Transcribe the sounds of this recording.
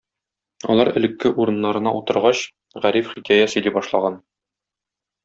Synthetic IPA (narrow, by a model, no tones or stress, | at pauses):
ɒ̰lˠɑɾɘ̆lɘ̆kːɘʔuɾɤ̆nːɑɾɤ̆nɑut̪ɤ̆ɾʁɑɕ | ʁæɾifχikʲæjæsɵ̆libɒʃlˠɑ̰ʁɑn